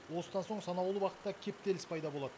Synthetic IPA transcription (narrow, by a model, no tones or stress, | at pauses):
wo̞səd̪ɑnso̞ɴsɑnɑwlˠuwɑqət̪ːɑkʲʰe̞p̚t̪e̞lɪspʰɑjd̪ɑbo̞lˠɑd̪ə